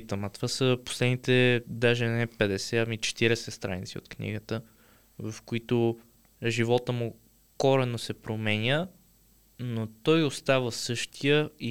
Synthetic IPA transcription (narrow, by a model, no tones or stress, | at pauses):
t̪əmət̪o̥vasəpo̥slɛd̪nit̪ɛd̪aʒɛnɛpɛd̪ɛsɛɐmit͡ʃɛ̥t̪iɾɛsɛst̪ɾa̰nit̪sio̰t̪knḭɡət̪ə | vɐfkoit̪ʊ | ʒivɔt̪əmu | kɔɾɛnosɛpɾomɛnʲjə | not̪ɔjost̪avəsɤʃt̪ʰijəi